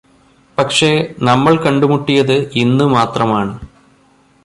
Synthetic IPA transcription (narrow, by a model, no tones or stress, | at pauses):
pɐkʂe̞nɐmːɐɭkɐɳɖumuʈːijɐðɨinːɨmaːt̪rɐmaːɳɨ